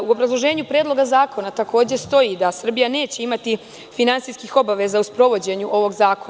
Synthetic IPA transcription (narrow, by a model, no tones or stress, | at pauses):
uobɾazlˠo̞ʒe̞ːɲupɾeːd̪loɡazaːko̞nat̪ako̞ːd͡ʑe̞st̪o̞jiːd̪asr̩bijane̞ːt͡ɕe̞imat̪i | finantsiskixo̞baʋe̞zauspɾo̞ʋo̞d͡ʑe̞ɲuʔo̞ʋo̞ɡzaːkon